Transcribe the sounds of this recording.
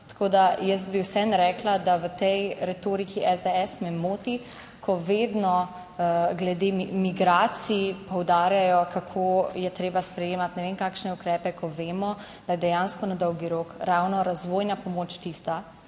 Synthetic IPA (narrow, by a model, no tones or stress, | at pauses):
t̪ḁkoːd̪ajəs̬t̪̚biwsɛnɾɛːklad̪aʋət̪ɛjɾɛt̪oːɾikiʔɛzd̪ɛɛsmɛmoːt̪i | kʰɔʋeːd̪nɔ | ɡlɛd̪emiɡɾaːsiipɔwd̪aːɾjajɔkakʰoːjɛt̪ɾeːbaspɾɛjeːmat̪nɛʋenkaːkʃnɛukɾɛːpɛkʰɔʋeːmɔ | d̪̥ajɛd̪ɛjaːnskɔnad̪ɔwɡiɾoːkɾawnɔɾazʋoːjnapɔmoːt͡ʃt̪ist̪a